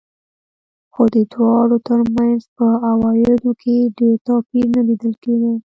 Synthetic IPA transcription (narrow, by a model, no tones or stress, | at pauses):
xod̪ət̪wɑɽot̪əɾmanzpəawɑjɪd̪okʰeɖeɾt̪ɑpiɾnalid̪əlkeɡi